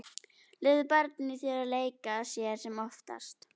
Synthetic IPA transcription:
lɪðʏpaɾt̪niθjɛɾaleːjkaðsjɛɾ̥sɛmɔft̪a̰st̪

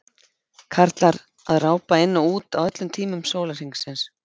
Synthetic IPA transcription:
kʰaɾ̥t̪laɾ | aðraːwpaɪnːauːt̪awœt̪lʏmt̪ʰiːmʏmsoːwlar̥iŋsɪns

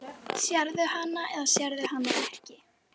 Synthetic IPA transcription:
sjaɾðʏhanːaʔɛðasjaɾðʏhanːaɛhcɪ

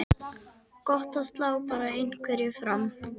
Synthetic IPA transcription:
kɔht̪ast̪laɔpaːɾaejn̥kʰvɛɾjɛfɾam

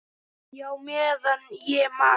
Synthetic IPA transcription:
jawmeðənjema

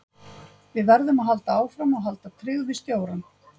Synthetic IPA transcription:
vɪðvaɾðʏmaðɦalt̪aaːwfɾamɔɣɦalt̪at̪ʰɾʏːɣvɪst̪joːwɾan

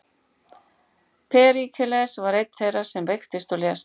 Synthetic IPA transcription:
pʰɛːɾikʰɛlɛsvaɾejt̪n̥θejrḁsɛmvejxt̪ɪst̪ɔlɛs

